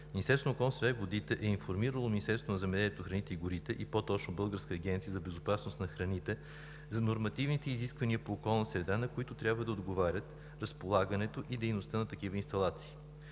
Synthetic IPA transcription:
minisɛɾsonokɔlnsɾɛvod̪it̪ɛʔɛinfoɾmiɾəlˠominist̪ɛɾsonzɐmɛd̪ɛlʲiɛt̪oxɾɐnit̪ɛiɡʊɾit̪ɛʔipot̪ɔt͡ʃnobɤlˠɡəɾskəːɡʲɛnt̪sijəzɐbɛzopasnost̪nɐxɾɐnit̪ɛ | zɐnoɾmɐt̪ivnit̪ɛiziskvɐniəpoːkɔlˠnəsɾɛd̪anɐkoit̪ʊt̪ɾʲabvəd̪ɐod̪ɡovaɾʲət̪ | ɾɐspolˠaɡənɛt̪oʔid̪ɛjnost̪ənɐt̪ɐkivəinst̪ɐlˠat̪si̥ː

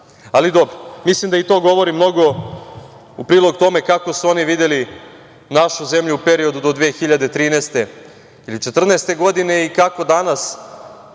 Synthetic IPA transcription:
alid̪obɾomislˠimd̪ait̪o̞ːɡo̞ʋo̞ɾimno̞ɡo̞ | upɾiːlˠo̞ɡt̪o̞me̞kako̞suo̞niʋid̪eli | naʃuze̞mʎuupe̞ɾio̞d̪ud̪od̪ʋexiʎad̪et̪ɾiːnest̪e̞ | ilit͡ʃe̞t̪r̩nest̪e̞ɡo̞d̪ine̞ikako̞d̪anas

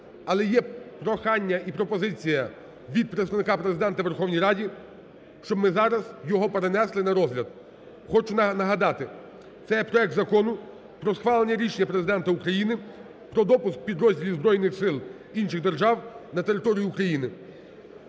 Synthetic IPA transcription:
ɐlˠɛjɛpɾɔxɑnʲːɐʔipɾɔpɔzɪt͡sʲijɐ | ʋʲid̪̚pɾɪtst̪ɐʋnɪkɑpɾezɪd̪ɛnt̪ɐʋe̞rxɔwnʲijɾɑdʲi | ʃt͡ʃɔbmɪzɑɾɐzjɔɦɔpeɾenɛslˠɪnɐɾɔzʲlʲɐd̪̚ | xɔt͡ʃʊnnɐɦɐd̪ɑt̪ɪ | t̪sɛjɛpɾɔɛk̚t̪zɐkɔnʊ | pɾɔsxʋɑlˠenʲːɐɾʲiʃenʲːɐpɾezɪd̪ɛnt̪ɐukɾɐjinɪ | pɾɔd̪ɔpʊsk̚pʲid̪ɾɔzʲdʲilʲizbɾɔjnɪxsɪlˠ | inʃɪɣd̪erʒɑwnɐt̪eɾɪt̪ɔɾʲijiːkɾɐjinɪ

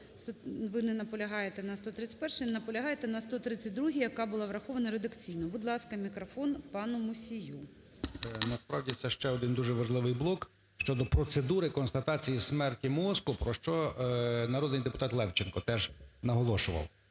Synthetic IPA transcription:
stʋɪnɛnɐpɔlʲɐɦɑjet̪ɛnɐst̪ɔt̪ɾɪt͡sʲːɐ̥tʲpɛrʃɛnɐpɔlʲɐɦɑjet̪ɛnɐst̪ɔt̪ɾɪt͡sʲːɐt̚ʲd̪ɾuɦijɐkɑbʊlˠɑʋɾɐxɔʋɐnɐɾed̪ɐkt͡sʲijnɔbʊd̪lˠɑskɐmʲikɾɔfɔnpɑnʊmʊsʲiju | nɐspɾɑwdʲitsɛʃt͡ʃɛɔd̪ɪnd̪uʒɛʋɐʒlˠɪʋɪjblˠɔk | ʃt͡ʃɔd̪ɔpɾɔt̪sed̪uɾɪkɔnst̪ɐt̪ɑt͡sʲijismɛrtʲimɔskʊpɾɔʃt͡ʃɔnɐɾɔd̪nɪjd̪epʊ̥t̪ɑt̪lˠɛwt͡ʃɪnkɔt̪ɛʒnɐɦɔlˠɔʃʊʋɐ̰w

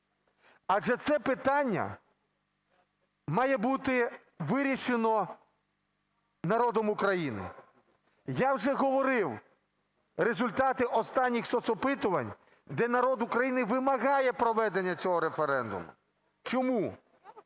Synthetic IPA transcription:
ɐʒɛt̪sɛpɪt̪ɑnʲːɐ̰ | mɑjɛbut̪ɪ | ʋɪɾʲiʃenɔ | nɐɾɔd̪ɔmʊkɾɐjinɪ̰ | jawʒɛɦɔʋɔɾɪw | ɾezʊlʲt̪ɑt̪ɪʔɔst̪ɑnʲːixsɔt̪sɔpɪt̪ʊʋɐnʲ | d̪ɛnɐɾɔd̪ʊkɾɐjinɪʋɪmɐɣɑjɛpɾɔʋɛd̪enʲːɐt͡sʲɔɦɔɾefeɾɛnd̪ʊ̰mʊ̰ | t͡ʃɔmu

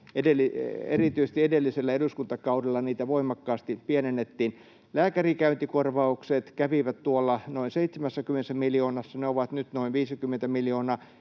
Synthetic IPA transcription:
edelːˑiḛrit̪yise̥s̆t̪iedelːiselːæeduskunt̪ɑkɑudelːɑniːt̪æʋoimɑkːɑːst̪ipiænenːet̪ːiːn | læːkærikæynt̪ikorʋɑukset̪kæʋiʋæt̪tuolːɑnoinseit̪semæsːækymenesːæmiljoːnɑsːɑneoʋɑt̪nyt̪noinʋiːsikymːent̪æmiljoːnɑː

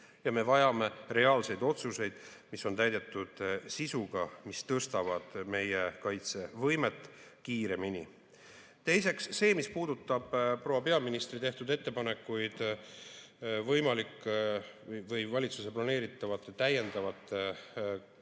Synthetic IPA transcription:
jɑme̞vɑjɑme̞re̞ɑːlse̞jd̪o̞t̪suse̞jd̪̥ | misːo̞nt̪æjd̪e̞t̪ːˑud̪̥sisuɡ̥ɑmist̪ɤst̪ɑvɑd̪̥me̞jekɑjt̪se̞vɤ̞jme̞t̪ːˑ | kiːɾe̞mini | t̪e̞jse̞ksːe̞ːmispuːd̪ut̪ˑːɑb̥pːro̞wɑpe̞ɑminist̪rit̪e̞ht̪ud̪e̞t̪ːe̞pɑne̞kːˑujd̪̥ | vɤjmɑlik | vɤjvɑlʲit̪suse̞plɑne̞ːɾit̪ːˑɑvɑt̪ːt̪æje̞nd̪ɑvɑt̪ːˑ

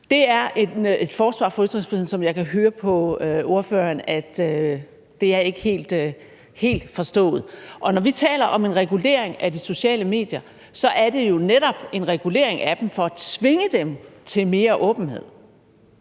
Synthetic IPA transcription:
d̥e̝æɐeed̥fɒːsʋɑ̰̈ːfɒ̽yd̥ʁeŋsfʁihe̝n̩sɒ̽mjɑ̈ɪkʰæɦøːɐpʰɒ̽o̝ɐfø̰ːɐnæd̥ø | d̥e̝æɐe̝ɡ̥ə̥he̝̰ːld̥ | he̝̰ːld̥fɒ̽sd̥ɔ̰̽ːð̩ˠʔɒ̽nɒʋit͡sʰɛ̰ːlɐʔɒ̽me̝nʁɛɡ̥ule̝̰ɐ̰eŋæd̥iso̝ɕɛ̰ːləme̝̰ːd̥jɐ | sɒ̽ʔæɐd̥e̝jo̝neɾɒ̽b̥e̝nʁɛɡ̥ule̝ɐ̰eŋʔæd̥em̩fɒ̽æt͡sʰʋe̝ŋəd̥emt͡sʰe̝lme̝ːɐʔɔ̽ːb̥n̩he̝ð̞̰ˠ

